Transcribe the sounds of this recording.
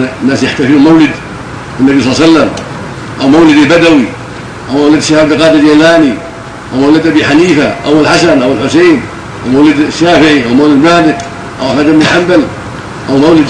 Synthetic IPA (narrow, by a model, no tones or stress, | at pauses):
nːaːsjaħt̪afimawlɪd̪ | ɪnːabisˤɑlːˤsalːam | ʔawmawlɪd̪albad̪awi | ʔawmawlɪd̪ʃad̪ɪqɑːd̪ɪljalaːni | ʔawmawlɪd̪ʔabiħaniːfaʔawɪlħasanʔawɪlħʊseːn | ʔawmawlɪd̪ʃːaːfɪʕiʔawmawlɪd̪maːd̪ɪk | ʔa̰wmad̪amɪħambal | ʔawmawlɪd̪